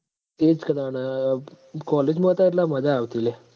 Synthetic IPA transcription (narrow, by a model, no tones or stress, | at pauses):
et͡skənanə | kɔled͡ʑmət̪aɾlaməd͡ʑʱaːʋt̪ile